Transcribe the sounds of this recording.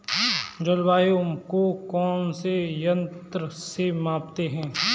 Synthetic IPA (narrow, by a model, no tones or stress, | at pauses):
d͡ʒɐlʋaːjomkokɔːnsejə̃nt̪ɾəsemãːpt̪eɦɛ̃ː